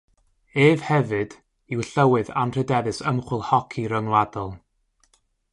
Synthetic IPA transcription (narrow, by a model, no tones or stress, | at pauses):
eːv̥hɛvɨd̥ | iwɬəwɨða̰nr̥ədɛðɨsəmχwɪlˠhɔkʰiɾəŋlˠadɔlˠ